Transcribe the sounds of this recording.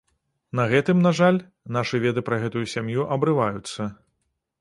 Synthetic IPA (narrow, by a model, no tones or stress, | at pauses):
nɐɣɛt̪ɨmnaʐalʲ | naʂɨvʲɛd̪ɨpɾɐɣɛt̪ujusʲamjuʔɐbɾɨvajut̪sːɐ